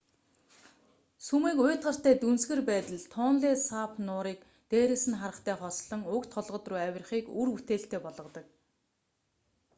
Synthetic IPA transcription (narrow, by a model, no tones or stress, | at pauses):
sumiːkʊjʰt̪ɢə̆r̥t̪æːt̪unsɣɘ̆rpæːt̪ə̆ɮt̪ʰɔːnɮiːsapʰnʊːɾiːk̚ | t̪eːɾĕsɘ̆nχaɾə̆χt̪ʰæːχɔsɮɞ̆ŋʊkt̪χɔɮʁɞ̆t̪ruːæwʲɪ̆rχiːkurput̪eːɬt̪eːpɔɮʁɞ̆t̪ɞ̆k̚